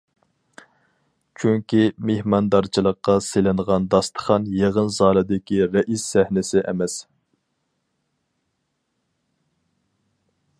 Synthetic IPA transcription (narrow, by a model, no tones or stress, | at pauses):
t͡ʃʰyŋkʲimehmɑnd̪ɑɾt͡ʃʰilˠəqːɑselɪnʁɑnd̪ɑst̪ʰə̥χɑnjeʁənzɑːlˠɨd̪ɪkʲiɾɛʔisːæhnɪsɪʔɛmɛs